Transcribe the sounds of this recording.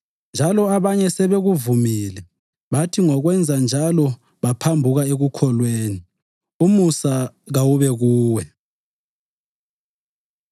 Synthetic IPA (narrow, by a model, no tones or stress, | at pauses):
nd͡ʒʱalɔaβaɲɛsɛβeɣuvumiːlɛ | βatʰiŋɔɣwɛnd͡zʱand͡ʒʱalɔ | βapʰambʱuɣaeɣukʰɔlweːni | umusa | ɣawuβɛɣuːwɛ